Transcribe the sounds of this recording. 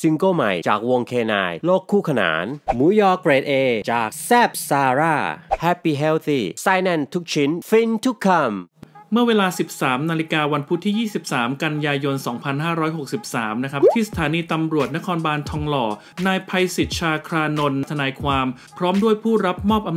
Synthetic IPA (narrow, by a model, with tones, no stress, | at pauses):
si˧ŋkoː˥˩ma̰˨˩jt͡ɕa̰ː˨˩k̚wo˧ŋkʰeː˧na̰ː˧jloː˥˩kʰːuː˥˩kʰa˧na̰ː˩˦nmuː˨˦jɔː˦˥k̚pɾeː˨˩t̪̚ʔeː˧t͡ɕa̰ː˨˩k̚sɛː˥˩p̚saː˧ɾaː˥˩hɛ˦˥piː˧ɦe˦˥wt̪ʰiː˥˩saː˧jnɛ˧˩nt̪ʰu˦˥k̚t͡ɕʰi˦˥nfi˧nt̪ʰu˦˥kʰːa˧mmɯ˥˩ɐweː˧laː˧si˨˩p̚saː˩˦mnaː˧li˦˥kaː˧wa˧npʰu˦˥t̪ʰːiː˥˩jiː˥˩si˨˩p̚saː˩˦mka˧njaː˧jo˧nsɔː˩˦ŋpʰa˧nɦaː˥˩ɾɔː˦˥jɦo˨˩k̚si˨˩p̚saː˩˦mna˦˥kʰa˦˥p̚t̪ʰiː˥˩sḁ˧t̪ʰaː˩˦niː˧t̪a˧mɾu˨˩ət̪̚na˦˥kʰɔː˧nbaː˧nt̪ʰɔː˧ŋlɔː˧˩ | naː˧jpʰa˧jsi˨˩t̪̚t͡ɕʰaː˧kʰɾaː˧no˧nːt̪ʰa˧naː˧jkʰwaː˧m | pʰɾɔː˦˥mdu˥˩əjpʰuː˥˩ɾa˦˥p̚mɔː˥˩p̚ʔa˧